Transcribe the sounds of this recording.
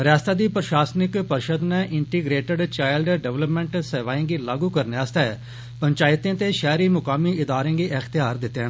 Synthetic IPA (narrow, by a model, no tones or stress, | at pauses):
ɾjaːst̪aːd̪iːpɾʃaːsnɪkpəɾʃəd̪nɛ̃ːʔɪɳʈiːɡɾeːʈəɖt͡ʃaːɪlɖɖɛʋləpmɛ̃ːɳʈseːʋaːẽːɡiːlaːɡuːkəɾneaːst̪ɛː | pəɲt͡ʃaːɪt̪ẽːt̪eːʃɛːɾiːmʊkaːmiːɪd̪aːɾẽːɡiːʔəxt̪ɪjaːɾd̪ɪt̪ːẽ